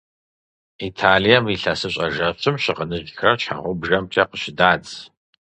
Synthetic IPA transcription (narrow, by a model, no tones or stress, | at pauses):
itʰaːlijɐmiɬasɨɕʼɐʒɐɕʰɨmɕɪqənɨʒxrɐrt͡ʃʰħa̰ːʁɔwbʒɐmtʰɐqəɕɪdaːd͡z